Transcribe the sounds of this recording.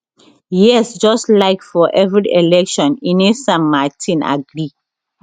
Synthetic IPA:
jɛsd͡ʒɔstlaɪkfɔʔɛvɹiʔelɛkʃɔ̃ninesãnmatʰĩna̰ɡɹi

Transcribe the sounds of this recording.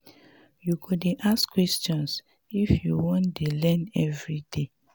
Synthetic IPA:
jukʰudeʔaskwɛstɔ̃ns | ifjuwɔ̃ndelɛ̃nɛvɹide

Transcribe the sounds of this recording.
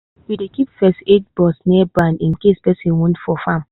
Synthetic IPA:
widekipfɛsted͡ʒbɔsnɛbãnĩnkespɛsĩnwɔ̃ntfɔfãm

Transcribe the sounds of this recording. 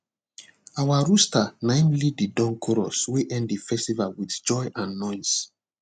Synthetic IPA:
awaɹustanãɪ̃mlididɔ̃ŋkʰɔɹɔ̰sweʔɛ̃nddifɛstivalwiθd͡ʒɔjʔãnːɔɪs

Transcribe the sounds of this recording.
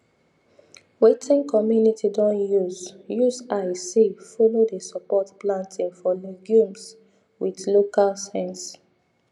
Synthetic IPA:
wetʰĩŋkʰɔmjunitʰidɔ̃njuzjuzajsifɔlodəsɔpɔtplãntʰĩŋfɔliɡjũms | wiðlokalsɛ̃ns

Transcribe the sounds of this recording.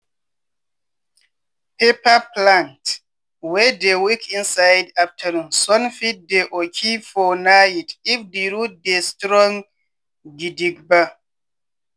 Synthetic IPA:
pʰepaplãnt | wɛdewikʰĩnsajdaf̚tʰanũmsɔnfit̚deʔɔkʰifɔnaitifdeɾut̚destɾɔ̃ŋ | ɡidiɡba

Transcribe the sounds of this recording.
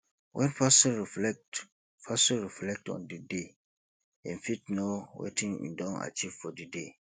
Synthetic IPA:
wʔɛ̃nfasĩɹifɛk̚t | fʰasĩɹiflɛk̚tɔ̰̃ndide | ɛ̰̃nfit̚nowḛtʰĩnḭ̃ndɔ̃na̰t͡ʃiv̥fɔdide

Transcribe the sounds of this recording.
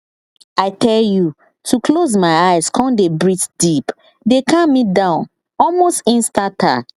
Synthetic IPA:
aɪtʰɛlju | tʰukʰloz̬maɪaɪzkʰɔ̃ndebɹitdip | dekʰãnmit̚dãʊ̃n | ɔlmostĩnstatʰa̰k

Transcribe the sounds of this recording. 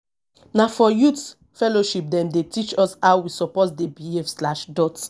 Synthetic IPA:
nafɔjut | fɛloʃip̚dɛ̃mdetit͡ʃɔsawwisɔpɔtdebiefslaʃdɔt

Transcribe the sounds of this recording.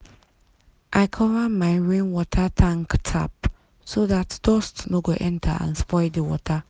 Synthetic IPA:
ʔaɪkʰɔvamaɪɹẽnwɔtʰatʰãŋktʰa̰p̚ | soðatd̥ɔstnoɡoʔɛ̃ntʰa̰ã̰nspɔɪdəwɔ̰tʰa

